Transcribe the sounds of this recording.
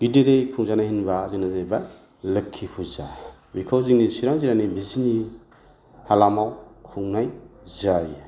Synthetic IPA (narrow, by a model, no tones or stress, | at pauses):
ɡ̥ideɾejkʰuŋzanahinbazinazajbaj | lɯkʰːipʰuza | mikʰawziŋnisiɾaŋziɾanibizini | halamawkʰuŋnajzaj